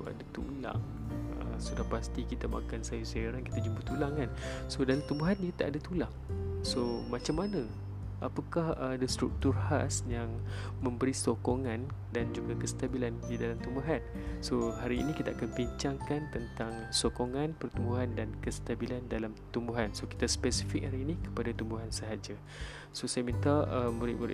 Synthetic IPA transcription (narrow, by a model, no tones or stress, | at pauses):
a̰dat̪ula̰ŋ | ə̰sudahpast̪ikit̪ama̰kansajusaaɾanki̥t̪ad͡ʒumbut̪ulaŋkansodalamt̪umbuɦanjət̪aʔadat̪ulaŋsomat͡ʃamːanə̃ | ʔapakahdast̪ɾuk̚t̪urha̰sjaŋ | mə̃mbəɾisokoŋandand͡ʒuɡakəst̪abilandidalamt̪umbuɦan | sohaɾḭːnikit̪aʔakanbiɲt͡ʃaŋkant̪ənt̪aŋ | sokoŋãnpərt̪umbuɦandankəst̪abilandalamt̪umbuɦansoki̥t̪aspɛsifɪk̚haɾiːnikə̥padat̪umbuɦansəɦad͡ʒa | sosajamĩnt̪aəmuɾḭʔmuɾḭʔ